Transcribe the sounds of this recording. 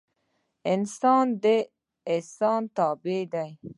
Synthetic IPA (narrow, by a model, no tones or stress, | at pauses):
ɪnsɑːnd̪e | ɪsɑːnt̪ɑːbed̪aj